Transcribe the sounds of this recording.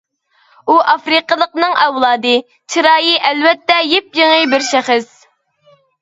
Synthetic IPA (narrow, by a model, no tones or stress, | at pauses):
uʔɑfɾɨqəlˠəqnɨŋɛwlˠɑːd̪ɨ | t͡ʃʰiɾɑːjiʔɛlvɛt̪ːɛjep̚jeŋɨbɪɾʃɛχɪs